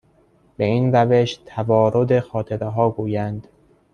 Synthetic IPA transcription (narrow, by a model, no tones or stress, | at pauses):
be̞iːnɾæveʃt̪ʰævɒːɾod̪e̞xɒːt̪ʰe̞ɾeɦɒːɡuːjænd̪̥